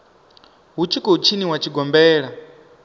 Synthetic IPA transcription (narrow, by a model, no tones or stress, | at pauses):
ɦut͡ʃʰikɔɦut͡ʃʰiniwat͡ʃʰiɡɔmbɛːɺa